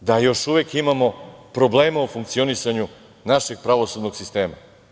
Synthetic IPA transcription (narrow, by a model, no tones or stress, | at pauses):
d̪ajo̞ʃuʋekimamo̞pɾo̞ble̞ːmaufuŋk̚t̪sio̞nisaɲu | naʃe̞ɡ̥̚pɾaʋo̞sud̪no̞ɡsist̪e̞ːma̰